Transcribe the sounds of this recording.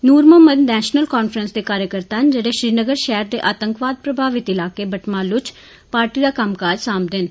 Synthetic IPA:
nuːɾməmənnɛːʃnəlkaːnfʰɾənsd̪eːkaːɾjəkəɾt̪aːɦnd͡ʒeːɽeːʃɾiːnəɡəɾʃɛɦəɾd̪eːʔaːt̪əŋkʋaːd̪̚pɾəbʱaːʋɪt̪ɪlaːkeːbəʈmãːlʊt͡ʃ | paːɾʈiːd̪aːkəmkaːd͡ʒsaːmd̪ɪn

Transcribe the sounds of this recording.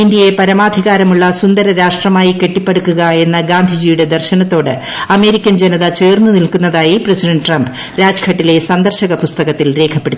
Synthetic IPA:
ind̪jɐjepɐɾɐmaːd̪ʱiɣaːɾɐmuɭːɐsund̪ɐɾɐɾaːʂʈrɐmaːjike̞ʈːipːeɽukːuɣɐe̞nːɐɡaːnd̪ʱid͡ʑiːjuɽe̞d̪ɐrɕɐnɐt̪ːo̞ːɽɨ | ɐme̞ːɾikʲːɐnd͡ʑenɐðɐt͡ɕe̞ːrnunilkunːɐðaːjipresiɖɐɳɖʈrɐmbɨ | ɾaːd͡ʑkʰɐʈːile̞sɐnd̪ɐrɕɐɣɐpust̪ɐɣɐt̪ːilɾe̞ːkʰɐpːe̞ɽut̪ː

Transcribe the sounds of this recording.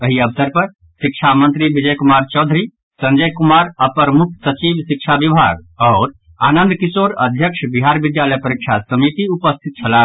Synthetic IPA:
əɦiəbsəɾpəɾ | sikt͡ʃʰamənt̪ɾibid͡ʒəjkumaɾt͡ʃɔʊd̪ʱɾi | sə̃nd͡ʒəjkumaɾapɾəmukʰsət͡ʃibsik̚t͡ʃʰabibʱa̰ɡɔːɾ | aːnənd̪kisoɾə̰d̪ʱjəkʃʰbiɦaɾbid̪jaləjpəɾikt͡ʃʰasəmit̪iupəst̪ʰit̪̚t͡ʃʰəla

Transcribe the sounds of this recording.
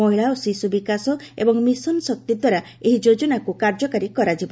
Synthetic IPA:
ɔɦiɭaosisubikasɔḛbɔŋmisɔnsɔk̚t̪id̪waɾa | eɦid͡ʒod͡ʒɔnakukaɾd͡ʒɔkaɾikɔɾad͡ʒibɔ

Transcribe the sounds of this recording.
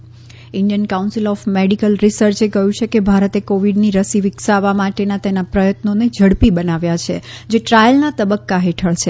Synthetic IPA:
ɪɳɖijənkaunsilɔfmeɖikəlɾisəɾt͡ʃekəjũt͡ʃʰekebʱaɾət̪ekoʋiɖniɾəsiʋɪksaʋamaʈenat̪enapɾəjət̪noned͡ʒʱəɽpibənaʋjat͡ʃʰḛd͡ʒeʈɾajəlnat̪əbəkːaɦeʈʰəɭt͡ʃʰe

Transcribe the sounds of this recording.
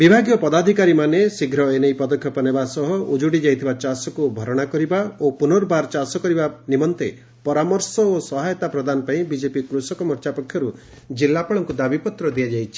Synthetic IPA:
bibʱaɡjɔpɔd̪ad̪ʱikaɾimanesiɡʱɾɔenejpɔd̪ɔkʰjɔpɔnebasɔɦɔud͡ʒuɽid͡ʒajt̪ʰibat͡ʃasɔkubʱɔɾɔɽ̃akɔɾibaopunɔɾbaɾt͡ʃasɔkɔɾibanimɔnt̪e | pɔɾamɔɾsɔosɔɦajɔt̪apɾɔd̪anɔpaĩbid͡ʒepikɾusɔkɔmɔɾt͡ʃapɔkʰjɔɾu | d͡ʒilːapɔɭɔŋkud̪abipɔt̪ɾɔd̪ijad͡ʒajt͡ʃʰi̥

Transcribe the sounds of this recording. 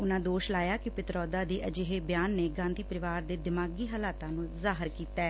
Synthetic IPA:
ʊnãːd̪oːʃlaːjaːkɪpɪt̪ɾɔːd̪aːd̪eːʔəd͡ʒeːɦeːbjaːnːeːɡãːnd̪iːpəɾɪʋaːɾd̪eːd̪ɪmaːɡiːɦəlaːt̪ãːnũːzaːɦəɾkiːt̪ɛː

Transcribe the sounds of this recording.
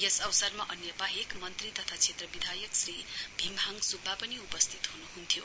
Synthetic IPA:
jesʌwsʌrmaʔʌnjʌpaɦekmʌnt̪rit̪ʌt̪ʰat͡sʰet̪rʌbid̪ʱajʌksribʱimʱaŋsubʱːapʌniupʌst̪ʰit̪ɦhunuɦunt̪ʰjo

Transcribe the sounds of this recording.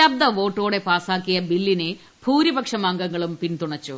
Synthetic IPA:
ɐb̚d̪ɐʋo̞ːʈːo̞ːɽe̞paːsaːkːijɐbilːine | bʱuːɾibɐkʂɐmaːŋɡɐŋːɐɭumpint̪uɳɐt͡ɕːu

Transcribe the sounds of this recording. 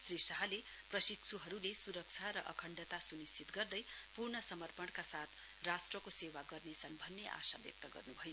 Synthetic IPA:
srisaɦale | prʌsiksʰuɦʌɾulesuɾʌk̚t͡sʰaɾʌʔʌkʰʌɳɖʌt̪asunist͡ʃit̪ɡʌrd̪ʌj | purɳʌsʌmʌrpʌɳkasat̪ʰ | rasʈrʌkosewaɡʌrnesʌnbʱʌnːeʔa̰sa̰bjʌ̰k̚t̪ʌɡʌ̰rnubʱʌjo

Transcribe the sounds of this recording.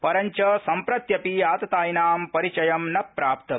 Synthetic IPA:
pɐɾɐɲt͡ʃɐsɐmpɾɐt̪jɐpiaːt̪ɐt̪aːjnaːmpɐɾit͡ʃɐjɐmnɐpːɾaːp̚t̪ɐ

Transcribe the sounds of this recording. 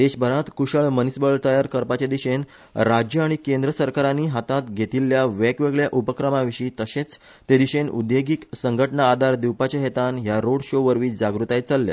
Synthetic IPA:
d̪eɕbʱəɾat̪kuɕəɭmənisbəɭt̪əjaɾkəɾpat͡ɕed̪iɕen | ɾad͡ʑjəaɽ̃ikend̪ɾəsəɾkaɾaniːɦat̪at̪ɡʱet̪ilːjaʋekʋeɡɭjaʔupəkɾəmaʋiɕiːt̪əɕet͡s | t̪ed̪iɕenṵd̪jeɡiksəŋɡʱəʈɳaːd̪ʱaɾd̪iwpat͡ɕaɦet̪anɦjaɾoɽɕoʋəɾʋiːd͡zaɡɾut̪ajt͡salːja̰

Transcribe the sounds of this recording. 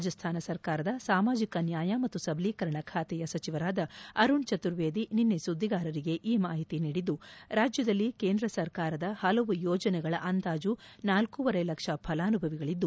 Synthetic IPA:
d͡ʒɐst̪ʰaːnɐsɐɾkaːɾɐd̪ɐsaːmaːd͡ʒikɐnjaːjɐmɐt̪ːusɐbʱliːkɐɾɐɳɐkʰaːt̪ɛjɐsɐt͡ʃiʋɐɾaːd̪ɐɐɾuɳt͡ʃɐt̪uɾʋeːd̪ininːesud̪ːiɡaːɾɐɾiɡe̞ʔiːmaːɦit̪iniːɽid̪ːuɾaːd͡ʒjɐd̪ɐlːike̞ːnd̪ɾɐsɐɾkaːɾɐd̪ɐhɐlɐʋujɔːd͡ʒɐnɛɡɐɭɐʔɐnd̪aːd͡ʒunaːlkuʋɐɾɐjlɐkʂɐpʰɐlaːnubʱɐʋiɡɐɭid̪ːu

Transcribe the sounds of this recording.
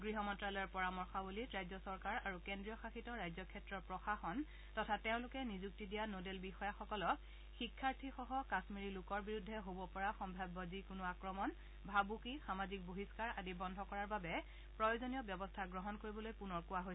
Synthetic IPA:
ɡɹiɦɔmɔntɹalɔjɔɹpɔɹamɔɹxabuliɹajzɔsɔɹkaɹaɹukendɹijɔxaxitɔɹajzɔkʰɛtɹɔɹpɹɔxaxɔn | tɔtʰateʊ̃lʊkɛnizuk̚tidijanodelbixɔjaxɔkɔlɔk̚ | xikʰːaɹtʰixɔɦɔkasmiɹilʊkɔɹbiɹudʱːɛɦobɔpɔɹaxɔmbʱabːɔzikʊnʊakɹɔmɔn | bʱabukixamazik̚boɦiskaɹadibɔndʱɔkɔɹaɹbabɛ | pɹɔjozonijɔbjɔbɔstʰaɡɹɔɦɔnkoɹibɔlojpunɔɹkʊwaɦojs

